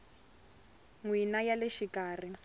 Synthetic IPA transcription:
ŋwinajaleʃikaːr̤i

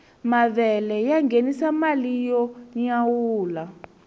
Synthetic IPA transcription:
maβɛlɛjaŋɡenisamalijɔɲawuːla

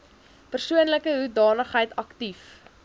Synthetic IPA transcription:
pərsuənləkəɦudɑːnəχɦəjtɐktif

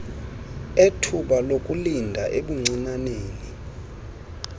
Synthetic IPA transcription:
etʰuɓalokʼulindʱaʔeɓuŋ͡ǀinaneːni

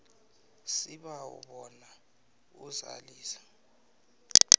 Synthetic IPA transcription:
siɓaṵɓɔna | uza̰liːsḁ

